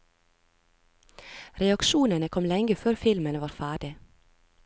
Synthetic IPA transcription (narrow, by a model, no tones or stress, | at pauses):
ɾɛɑkʃuːnənəkʰɔmlɛŋɡəføːɾfɪlmənəʋɑːɾfæːɖɪ